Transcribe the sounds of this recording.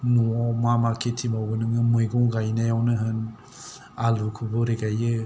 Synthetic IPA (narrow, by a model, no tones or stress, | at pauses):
nuɔmamakʰetʰimawɡɯnɯŋɯmɯjɡɔŋɡajnajawnɯɦɯn | alukʰubɔɾeɡajɯ